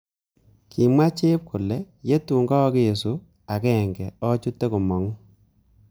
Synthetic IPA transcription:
kʰi˨mwa˦t͡ʃe˦p̚kʰʊ˨lɛ˨ | je˦tu˨ŋɡɔ˦ke˦je˨su˦ | a˨kɛ˦˨ŋɡɛ˨ɔ˦t͡ʃu˦tːe˦ku˨mɔ˨ŋu˦

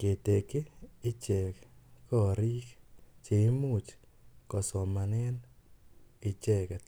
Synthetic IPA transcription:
ke˨t̪e˨keː˦t͡ʃɛ˨kkɔ˦˨ɾi˦kt͡ʃe˨˦mu˦˨t͡ʃ | kɔ˨sɔ˨ma˨nɛ˦n | ɪ˨t͡ʃɛ˦kɛ˨

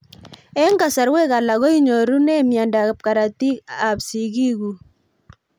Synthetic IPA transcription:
ɛ˦ŋɡa˨sa˨ɾwɛ˦ka˨la˨ɣɔ˦i˦ɲo˨ɾu˦nɛ˦mja˨nda˨p̚ka˨ɾa˨ti˦ka˨psi˨ɡi˦ɣu˨

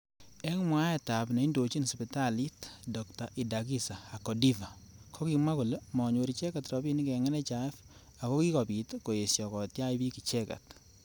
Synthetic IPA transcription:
ɛ˦ŋmwa˦ɛ˨ta˨pne˨i˦ndo˨t͡ʃi˦nspi˨ta˦li˦tdɔ˨kta˨ʔi˨da˨ki˦sa˨a˨kɔ˨di˦va˨kʰɔ˦ki˧ma˦ko˨le˦mɔ˨ɲwo˨ɾi˨t͡ʃɛ˦ka˨tɾɔ˨bi˦ni˦kɛ˨ŋɛ˦nɛ˦t͡ʃa˨ɛ˦f | a˨kɔ˦ki˦kɔ˨pi˨tko˨e˨sjɔ˨kɔ˨tja˦ibi˦ki˨t͡ʃɛ˦ka̰˨t

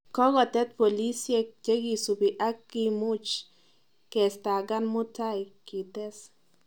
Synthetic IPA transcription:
kɔ˦ɣɔ˨t̪ɛ˦t̪̚po˨li˦sje˧d͡ʒe˦ɡi˨su˨bi˨ʔa˦kːi˧mu˦t͡ʃ | ke˨st̪a˨ɡa˦nmu˦t̪a˦jki˨t̪e˦s

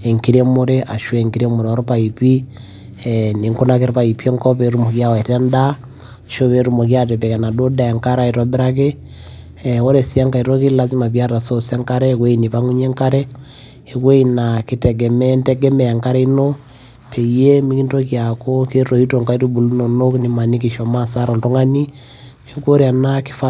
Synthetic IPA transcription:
e˨ŋki˦ɾe˦mo˦ɾe˦ʔa˨ʃwe˨ŋki˦ɾe˦mo˨ɾe˨o˦ɾo˦pa˨i˨pi˦ | ni˨ŋko˦nake˦ɾpa˨i˨pi˦e˦ŋkɔ˦pe˨ɾu˦mo˨kja˦we˨te˦nda˦˨ | ʃo˦βe˦ɾu˦mo˨kja˦t̬e˨pe˨ke˨na˨do˦da˨a˨ŋka˦ɾa˦e˨twa˨be˦ɾa˦ke˦ | o˦ɾe˨si˦a˦ŋka˨i˨ɾo˦ki˦la˦zi˦ma˨pja˦ta˨so˦se˦ŋka˦ɾe˦kwe˦ini˨pa˦ŋu˦ɲe˦ŋka˦ɾe˦ | e˨kwe˦ina˨ki˦tɛ˨ɡɛ˨mɛ˦ntɛ˦ɡɛ˦mɛ˨ja˨ŋka˦ɾɛ˦i˦no˦ | pʰe˨je˦mi˦ki˦nto˦kja˨ko˦ke˦to˨i˦to˨ŋka˦i˦tu˦bu˨lu˦no˨no˦kni˨˦ma˨ni˦ki˨ʃɔ˨ma˦sa˦ɾɔ˨ntu˦ŋa˦ni˦ | e˦ŋko˦ɾja˨na˦ki̥˦fa˦

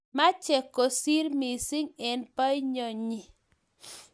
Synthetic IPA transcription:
ma˦t͡ʃɛ˨kːo˨si˦ɾmi˨sɪ˦ŋɛ˨npa˦i˦ɲɔ˨ɲi˨

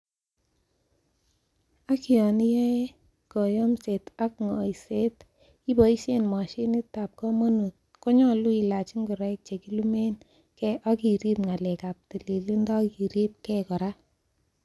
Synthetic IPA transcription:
a˦ki˨ɔ˨ni˦jɛ˦ | kɔ˨jɔ˦mse˨ta˦kŋɔ˨i˨se˦t | i˦bɔ˨i˦se˦˨nma˨ʃi˦ni˦ta˨p̚kɔ˦mo˦nu˨t̚ | kɔ˦ɲɔ˦lu˦i˨la˨t͡ʃi˦ŋɡu˨ɾɛ˦k̚t͡ʃe˨ki˦lu˦me˦n | kɛ˦ʔa˦ki˨ɾi˦pŋa˨lɛ˨ka˨p̚ti˨li˨lu˦ndɔ˦ki˨ɾi˦p̚kɛ˦kɔ˨ɾa˦

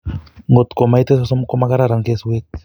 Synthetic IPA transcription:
ŋɡo˨t̪ko˨majt̪e˦s̬oso˦mko˦ma˦ka˦ɾaɾaŋke˦swek̚

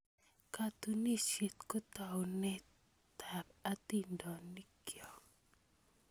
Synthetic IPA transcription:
ka˨t̪u˨ni˦ʃe˨t̪kɔ˦t̪a˨wnɛ˦ | t̪ʰa˨ɾa˦t̪i˨ndɔ˨ni˦kjɔ˨

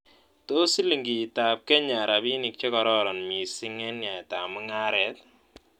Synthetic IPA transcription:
to˦si˦li˨ŋɡi˨ta˨p̚kɛ˦ɲa˨ɾa˨bi˦ni˨k̚t͡ʃe˦kɔ˨ɾɔ˦ɾɔ˨nmi˨si˦ŋɛ˦nɲja˨ta˨mu˦ŋa˦ɾɛ˦t̚

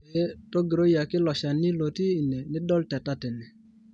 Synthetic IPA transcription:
to˦ɡi˨ɾo˦ja˨kɪ˦lɔ˨ʃa˨ni˦lo˨tiː˦˨ne˨nɪ˦dɔ˦ltɛ˨ta˦tɛ˨nɛ˨

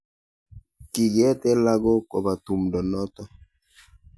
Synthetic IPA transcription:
ki˨ɡɛ˦tɛ˦la˦ɡɔ˦kɔ˨ba˨tu˨mdɔ˨nɔ˦tɔ˦

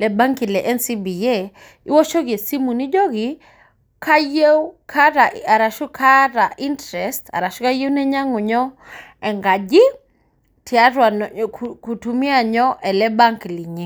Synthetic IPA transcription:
lɛ˨ba˦ŋki˨lɛ˨ʔɛ˦nsi˦bi˨je˦˨ | i˦wɔ˦ʃɔ˦ɡɪ˨e˨si˦mu˨ni˦d͡ʒɔ˦ɡɪ˨ | kʰa˦je˦wkʰa˦ɾa˨a˨ɾa˨ʃʊ˦kʰa˦ɾa˨ʔi˦ntɾɛ˨sta̰˨ɾa˨ʃɔ˦ka˦je˦wnɛ˦ɲa˦ŋʊ˨ɲɔ˦ɛ˨ŋɡa˨d͡ʒɪ˦ | tʰɪ˨a˦ɾwa˨ku˨tu˨mi˦a˨ɲɔ˦ʔɛ˨lɛ˦ba˦ŋkli˨ɲe˦

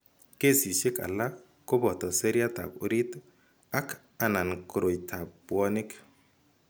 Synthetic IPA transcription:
ke˦˨si˨ʃɪ˦ka̰˨la˦ | ko˦bɔ˨tɔ˨se˦ɾja˦ta̰˨ku˦ɾi˦t | a˦k | a˨na˨nkɾo˨jtʰa˨bwɔ˦nɪ˦k

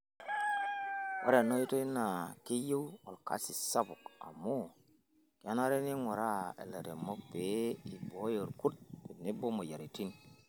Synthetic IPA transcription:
wo̰˦ɾa˨no˦ji˦to˦i˦na˨ki˦jo˦wwo˨lka̰˨˦si˨sa˦bu˨ka̰˨mːo˦˨ | ka˦na˦ɾe˦ni˦ŋo˨ɾa˦ḛ˨le˨ɾe˨mo˦be˨˦i˨bo˨˦jo˨ɾku˦t̚bi˨ni˦bo˦mo˨ja˨ɾi˨ti˦n

